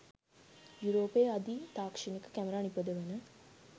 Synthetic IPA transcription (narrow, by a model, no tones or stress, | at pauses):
juɾoːpeːad̪it̪aːkʂinikə̥kæməɾaːnipəd̪əʋenə